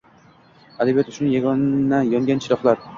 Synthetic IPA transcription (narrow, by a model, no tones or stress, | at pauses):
ad̪abijat̪ʊ̥ʃnɪjaɡɒnajɒŋɡʲanʃʰɪɾɒflˠaɾ